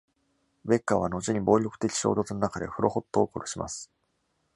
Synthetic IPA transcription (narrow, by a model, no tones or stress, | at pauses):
be̞kːaβano̞t͡ɕiɲ̟ibo̞ːɾʲo̞kɯ̟t̪e̞kʲi̥ɕoːd̪o̞t͡sɨnonakad̪e̞̰ɸɯ̟ɾʔo̞ho̞t̪ːo̞ːkoɾoɕimʔa̰sɨ̥